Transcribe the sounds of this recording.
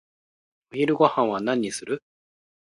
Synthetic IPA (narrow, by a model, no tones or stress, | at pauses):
oçiɾɯ̟ɡo̞hãɰ̃βanãɲ̟ːisɨɾɯ̟